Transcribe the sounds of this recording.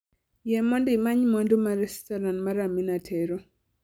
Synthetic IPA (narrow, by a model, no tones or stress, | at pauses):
jɛmɔndimaɲmɔndomaɾɛstɔɾanmaɾaminatʰɛɾɔ